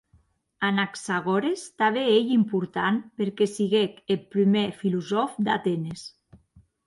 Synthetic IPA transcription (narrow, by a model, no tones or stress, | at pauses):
anaksaɣɔɾest̪aβeeʎimpuɾt̪anpeɾkesiɣekelpɾimefiluzɔfd̪a̰t̪enes